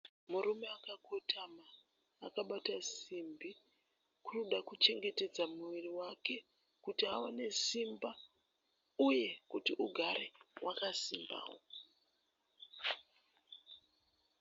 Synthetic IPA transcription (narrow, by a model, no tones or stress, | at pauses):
muɾume̞akakotʰamaː | kaɓatasimbi | kuruɗakut͡ʃe̞ŋɡe̞te̞d͡zamuʋiriwake̞ | kutiawane̞simba | uje̞kutiʔuɡʱaɾewʔakasimba̰ːwo